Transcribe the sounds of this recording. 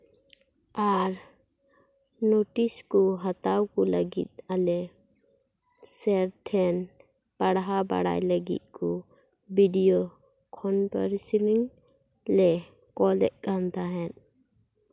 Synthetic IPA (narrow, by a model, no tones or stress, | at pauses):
aɾ | noʈiskɔɦat̪awkɔləɡḭt̪̚alɛ | sɛɾt̪ʰɛn | paɽɦaba̰ɽa̰jləɡḭt̪̚ˀkɔ | biɖijo | kʰɔnpə̰ɾsiliŋ | lɛ | kɔlɛ̰ʔkant̪aɦɛn